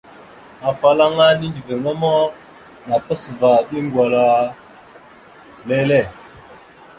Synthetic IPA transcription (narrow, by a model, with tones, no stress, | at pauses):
a˨fa˨la˦ŋa˦ɗi˦ndi˨ve˨ŋa˦mo˦ | na˨pə˦sə˨va˨ɗi˦ŋ˦ɡwa˨la˨ | le˦le˦˨